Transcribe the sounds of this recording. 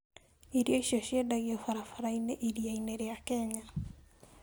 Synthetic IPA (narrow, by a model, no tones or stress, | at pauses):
iɾjoiʃioʃiedaɣiɔfaɾafaɾaineʔiɾiaineɾejakɛɲa